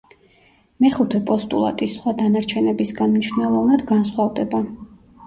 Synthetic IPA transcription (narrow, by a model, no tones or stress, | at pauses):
mɛχut̪ʰɛpʼɔst̪ʼṵlˠa̰t̪ʼisχwad̪anaɾt͡ʃʰɛnɛbisɡanmniʃnɛlˠɔvnad̪ɡansχwavd̪ɛba